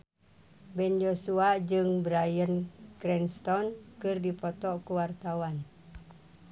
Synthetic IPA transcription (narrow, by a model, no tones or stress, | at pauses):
bɛnd͡ʒosuad͡ʒɨŋbɾajənkɾɛnst̪ɔnkɨrdipɔt̪ɔʔkuwart̪awan